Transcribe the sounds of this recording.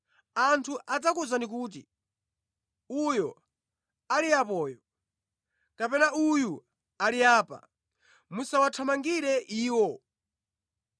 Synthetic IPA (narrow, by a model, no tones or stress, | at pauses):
antʰuʔad͡zakuzanik̬uːt̬ḭ | ujɔ̰ | aliapɔːjɔ | kapɛnauju | aliaːpa̰ | musawatʰamaŋɡiɾɛʔiːwɔ